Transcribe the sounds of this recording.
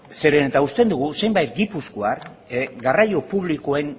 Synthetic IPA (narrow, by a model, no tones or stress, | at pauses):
se̞ɾenet̪aust̪e̞nd̪uɣ̞use̞jmbajt̪ɡipuskoaɾ | ɡarajo̞puβlikoe̞ŋ